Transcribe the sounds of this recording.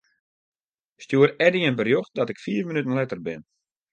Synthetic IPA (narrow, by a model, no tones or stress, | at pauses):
stjuəɾɛdəjənbərjoxdɔtɪkfiːfmənytən̩lɛtərbɪ̰n